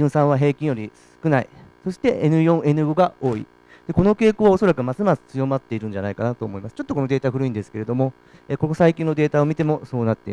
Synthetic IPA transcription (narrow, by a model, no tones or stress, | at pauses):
ɯ̃sãɰ̃βaɦe̞ːkʲĩɰ̃jo̞ɾʲisɨ̥kɯ̟naḭso̞ɕi̥t̪e̞ʔenɯ̟jõ̞ɰ̃e̞nɯ̟ɡo̞ɡao̞ːḭ | d̪̥e̞ko̞no̞ke̞ːkoːβao̞so̞ɾakɯ̟masɨmasɨ̥t͡sɨjo̞mat̪ːe̞iɾɯ̟̃ɲ̟d͡ʑanaikanat̪o̞ːmo̞imasɨ̥t͡ɕo̞t̪ːoko̞nod̪e̞ːt̪aɸɯɾɯ̟ĩnd̪e̞sɨ̥ke̞ɾe̞d̪o̞mo̞ | eko̞kosaikʲĩnːod̪e̞ːt̪ao̞mʲit̪e̞mo̞so̞ːnat̪ːeḭ